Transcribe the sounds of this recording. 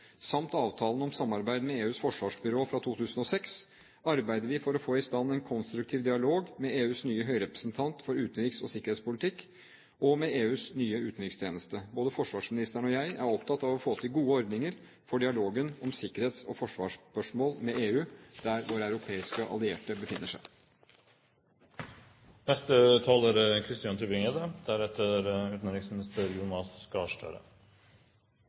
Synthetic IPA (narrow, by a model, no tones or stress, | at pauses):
sɑmt̪ɑːʋt̪ʰɑːln̩ɔmsɑmːɑɾbæɪd̪mɛeːʉːsfɔʂʋɑːʂbʏɾoːfɾɑt̪ʰuːt̪ʰʉːsən̩ɔsɛks | ɑɾbæɪd̪əɾʋɪfɔɾɔfoːɪst̪ɑnːɛɪnkʰɔnst̪ɾʉk̚t̪ʰiːʋd̪ɪɑloːɡmɛeːʉːsnyːəɦœʏɾɛpɾəsnt̪ʰɑnt̪fɔɾʉːt̪ən̩ɾɪksɔ̰sɪkːəɾheːt̪spʊlɪt̪ʰɪkː | ʔɔmɛeːʉːsnyːəʉːt̪n̩ɾɪkst̪ʰjeːnəst̪əboːd̪əfɔʂʋɑːʂmɪnɪst̪əɳɔjæɪʔæ̰ɾɔpt̪ʰɑt̪ːɑʋɔfoːt̪ʰɪlɡuːəɔɾd̪nɪŋəɾ | fɔɖɪɑloːɡənɔmsɪkəɾheːt̪sɔfɔʂʋɑːʂpœʂmoːlmɛeːʉːd̪̥æɾʋʊɾæʉɾʊpʰeːɪskəʔɑ̰lɪḛːʈəbəfɪnːəʂæ̰ɪ | nɛst̪ət̪ʰɑːləɾkʰɾɪst̪ɪːɑnt̪ʰʉbɪŋed̪əd̪̥æɾɛt̪ʰəɾʉːt̪n̩ɾɪŋsmɪnɪst̪əɾjʊnɑskɑːʂʈø̰ːɾə̰